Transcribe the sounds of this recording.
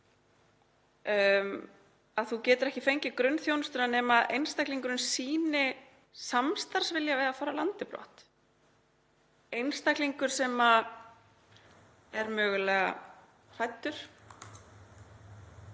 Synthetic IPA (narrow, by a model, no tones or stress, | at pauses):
m | aðθucɛːt̪ʏɾɛhcɪfejɲcɪkɾœnːθjoːwnʏst̪ʏɾanɛːmaðʔejnst̪ajkliŋkʏɾʏnsiːnɪ | samst̪aɾ̥svɪljavɛːðafaːɾalant̪ɪpɾɔ̰ht̪ | ejnst̪akliŋkʏɾ̥sɛːma | ɛɾmœːɣʏlɛːɣa̰ | r̥ajt̪ːʏɾ̥